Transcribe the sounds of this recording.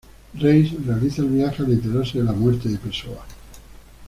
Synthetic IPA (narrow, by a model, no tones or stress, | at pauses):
rejsrealiθaelβiaxealet̪̬eɾaɾseðelamweɾt̪eðepeɾsoa